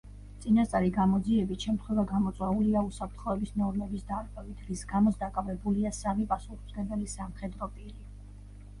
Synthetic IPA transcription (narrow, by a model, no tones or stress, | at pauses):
t̪sʼinast̪sʼaɾiɡamɔd̪ziɛbit̪ʃɛmt̪ʰχwɛvaɡamɔt̪sʼwɛuliausapʰɾt̪ʰχɔɛbisnɔɾmɛbisd̪aɾɡɛvit̪ʰʁisɡamɔt̪sd̪akʼavɛbuliasamipʼasuχz̥ɡɛb̪ɛlisamχɛd̪ɾɔpʼiɾi